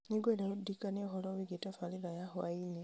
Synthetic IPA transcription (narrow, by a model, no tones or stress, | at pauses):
niɡwelaβudikanexoloβiɡetafaliðajaxwaine